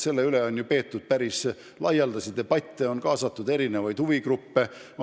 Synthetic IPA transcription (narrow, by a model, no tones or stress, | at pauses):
se̞lːe̞yleo̞nʲjupe̞ːt̪ːud̪̥̚pæɾis | lɑjeld̪̥ɑsid̪e̞b̥ɑt̪ʲːˑeo̞nkɑːsɑt̪ːˑud̪e̞ɾine̞vɑjd̪̥huviɡrupːe̞